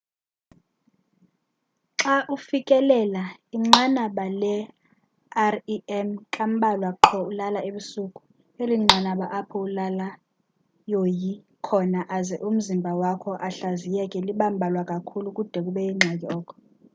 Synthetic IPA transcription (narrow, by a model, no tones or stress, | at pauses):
ǁaʔufikʼɛlɛlaiŋ͡ǁanaɓalɛ | ariɛmkʼam̩ɓalwaǁʰɔulalaeɓusukʼu̥ | eliŋ͡ǁʱanaɓaʔapʰɔulala | joji | kʰɔnaʔazɛʔum̩zimbʱawakʰɔʔaɬazijɛkʼɛliɓam̩bʱalwakʼakʰulukʼud̥ʱɛk̬uɓɛiŋ͡ǀʱak̬ʼiɔːkʰɔ̥